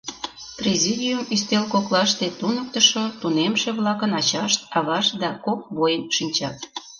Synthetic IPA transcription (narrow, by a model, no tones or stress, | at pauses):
prʲezʲid̪ʲiumyst̪elkoklɑʃt̪et̪unək̚t̪əʃot̪unemʃeβlɑkənɑt͡ɕɑʃt̪ɑβɑʃd̪ɑkok̚βojənʃinʲt͡ɕɑt̪̚